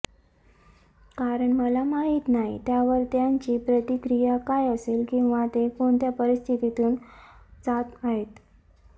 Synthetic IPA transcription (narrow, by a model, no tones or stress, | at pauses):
kaɾəɳməlamaɦiːt̪naɦḭt̪jaʋəɾt̪jaɲt͡ɕiːpɾət̪ikɾijakajəselkĩw̃ʋat̪ekoɳt̪japəɾist̪ʰit̪it̪uːnt͡sat̪aɦet̪